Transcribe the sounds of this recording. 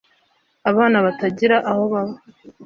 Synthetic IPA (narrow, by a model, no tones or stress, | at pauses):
aβaːnaβataɟiɾaʔaho̞βaβo